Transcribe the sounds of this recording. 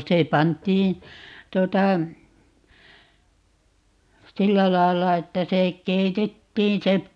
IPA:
se pɑntˑiːn̞ tuotɑ silːæ lɑilːɑ etːæ se keitetːiːn se

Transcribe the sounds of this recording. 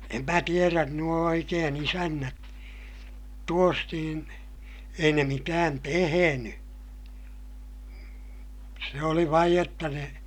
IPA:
em mæ tieræn nuo oikeːn isænːæt tuos niːn ei ne mitæːn teheny se oli ʋɑij jotːɑ ne

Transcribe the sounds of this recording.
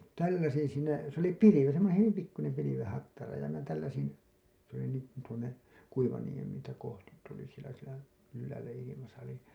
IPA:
tælːæsin siːnæ se oli piliʋi semːonẽː hyʋim pikːunem piliʋẽː hɑtːɑrɑ jɑ minæ tælːæsin s oli niːŋkun tuonːe kuiʋɑniem tæ kohtit tuli sielæ sielæ ylːæːlæ ilimɑsɑ oli

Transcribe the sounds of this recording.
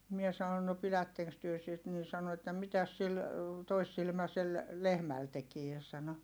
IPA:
mie sɑnon no pilætːeŋks tyø sit nin̞ sɑno etːæ mitæs sil toisːilmæsel lehmæl tekie sɑno

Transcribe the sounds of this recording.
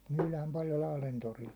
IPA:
myːlæːm pɑljo lɑhlen toril

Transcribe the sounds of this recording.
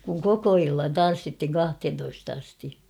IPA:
kuŋ koko ilːɑn tɑn̞sːithiŋ kɑhthentoist ɑsti

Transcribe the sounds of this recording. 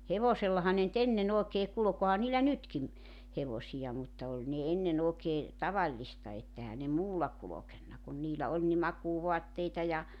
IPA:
heʋoselːɑhɑ ne ny̆t enːen oˑekeː kulŏk ohɑn niːlːæ nytkim heʋosijɑ mutːɑ olʲ ne enːen oːkeː tɑʋɑlːistɑ et ehæ ne muːlːɑ kulokenːɑ kun niːlæ ol ni mɑkuːʋoɑtːeitɑ jɑ

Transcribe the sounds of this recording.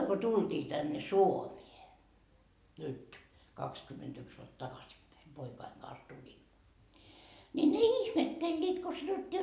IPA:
ko tuld̥iː tænːe suomie nyt kɑkskymːentyks ʋuot tɑkɑsipːæi poikɑiŋ ɡ̊ɑns tulin nʲi ne ihmetːelːiːt ko sɑnotːiː

